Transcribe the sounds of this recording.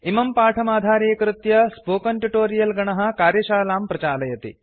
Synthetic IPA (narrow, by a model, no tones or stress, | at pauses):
imɐmpaːʈʰɐmaːd̪ʱaːɾeːkɾut̪jɐspoːkɐnʈuʈoːɾijɐlɡɐɳɐɦɐ̆kaːɾjɐʃaːlaːmpɾɐt͡ʃaːlɐjɐt̪ḭ